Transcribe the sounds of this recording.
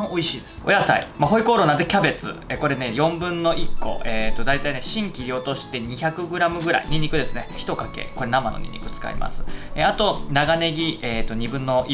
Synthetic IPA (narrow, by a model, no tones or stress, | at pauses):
oiɕiːd̪e̥o̰jasa̰ḭmaɦo̞iko̞ːɾo̞ːnad̪ekʲabe̞t͡sɨ̰eko̞ɾe̞ne̞jõ̞mbɯ̟̃nːo̞ʔikːo̞̰ʔeːt̪o̞d̪ait̪aine̞ɕĩŋkʲiɾʲio̞t̪o̞ɕi̥t̪e̞ɲ̟içakɯ̟ɡɯ̟ɾamɯ̟ɡɯ̟ɾa̰iɲ̟iɲ̟ːikɯ̟d̪e̞sɨne̞çi̥t̪o̞kake̞̰ko̞ɾe̞nama̰no̰ɲʲḭɲ̟ʲːḭkɯ̟t͡sɨ̥ka̰ḭmʔa̰sɨ̥eat̪o̞naɡane̞ɡʲieːt̪o̞ɲ̟ibɯ̟̃nːo̞i